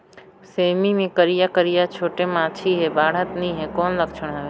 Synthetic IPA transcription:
seːmimẽkəɾijakəɾijat͡ʃʰoːʈemãːt͡ʃʰiɦebaːɽ̤ət̪nĩɦekoːnləkt͡ʃʰəɳ̃ɦaʋe

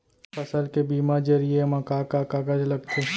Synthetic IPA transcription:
pɐsəlkebiːmad͡ʒəɾiemɐkaːkaːkaːɡəd͡ʒlɐɡt̪ʰe

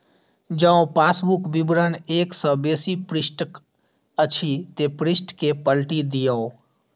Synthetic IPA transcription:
d͡ʒəõpaːsbukbɪbɾəneːksə̃beːsipɾɪsʈk | ət͡ʃʰit̪epɾɪsʈkepəlʈid̪ijəõ

